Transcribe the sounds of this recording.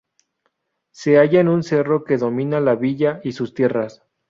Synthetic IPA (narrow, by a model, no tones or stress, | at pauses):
se̞aʝaenunse̞ro̞ke̞ðo̞mĩnalaβiʝaisust̪je̞ras